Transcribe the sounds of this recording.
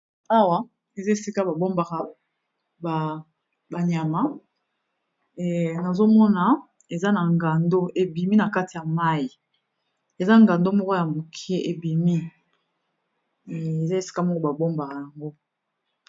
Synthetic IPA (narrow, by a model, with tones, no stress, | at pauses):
a˦wa˨˦ | e˨za˦e˨si˦ka˦ba˨bo˦mba˨ka˨ | ba˨ | ba˨ɲa˨ma˦˨ | na˨zo˦mɔ˦na˨ | e˨za˦na˨ŋɡa˨ndo˦ʔe˨bi˨mi˦na˨ka˦ti˨ja˨ma˦ji˨ | e˨za˦˨ŋɡa˨ndo˦mɔ˦ko˦ja˨mo˨kʰɛ˦ʔe˨bi˨mi˦˨ | e˨za˦e˨si̥˦ka˦m˦ko˦ba˨bo˦mba˨ka˨ja˨ŋɡo˦